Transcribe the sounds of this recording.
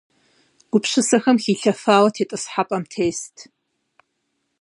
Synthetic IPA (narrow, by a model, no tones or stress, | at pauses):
ɡʷʊpɕɨsɐxɐmxiːɬɐfaːwɐtʰeːtʼɨsħapʼɐmtʰeːstʰ